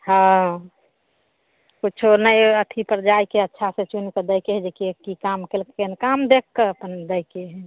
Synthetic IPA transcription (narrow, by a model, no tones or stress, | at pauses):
hə̃ | kut͡ʃʰonəjət̪ʰipəɾd͡ʒajkeətːʃʰasẽt͡ʃunkəd̪əjkeɦɛd͡ʒekekikamkelkenkamd̪ekːəəpənd̪əjkeɦɛ